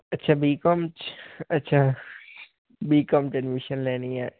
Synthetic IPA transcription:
ɐtːʃʰabiːkɔmt͡ʃɐtːʃʰa | biːkɔmʈənmiʃənleːniaː

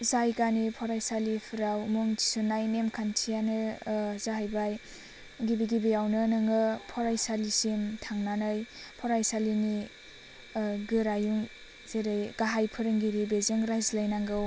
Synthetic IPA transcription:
zajkanipʰɔɾajsalipʰɯɾawmuŋtʰi̥sunajnemkʰantʰijanɯzaɦajbaj | ɡibiɡibeawnɯnɯŋɯpʰɔɾajsalisimtʰaŋnanɯjpʰɔɾajsalini | ɡɯɾajuŋ | zeɾɯjɡ̥aɦajpʰɯɾɯŋɡiɾibezeŋɾajzlajnaŋɡɯw

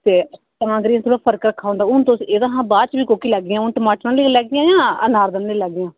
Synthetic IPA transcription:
t̪eː | t̪ãːɡɾiãt̪oɽaːpʰəɾkɾəkʰːaːõːnd̪aːʊnt̪oseːd̪ãːɦãːbaːd̪t͡ʃbiːkoːkiːlɛːɡɪjãːʊnʈəmaːʈnãːliːlɛːɡɪjãːjãːə̰naːɾd̪ənːeːlɛːɡɪjãː

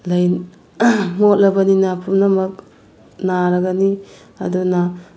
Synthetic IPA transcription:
lɐj | mot̚lɐbɐninapʰumnɐmɐk̚ | naɾɐɡɐni | ɐ̰duna

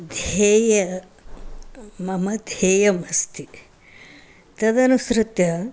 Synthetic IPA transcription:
d̪ʱeːjɐ | mɐmɐd̪ʱeːjɐmɐst̪i | t̪ɐd̪ɐnusɾɪt̪jɐ

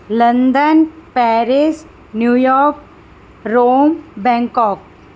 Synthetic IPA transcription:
lə̃nd̪ənpɛːɾɪs | njuːjɔːɾk̚ | ɾoːmbɛ̃ŋkɔːk̚

